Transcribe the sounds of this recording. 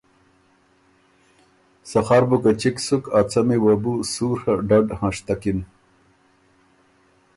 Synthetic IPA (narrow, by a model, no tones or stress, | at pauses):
sɐχaɾbukat͡ɕiksukat͡sɐmiwɐbusuːɾhaɖaɖhãːʂt̪akin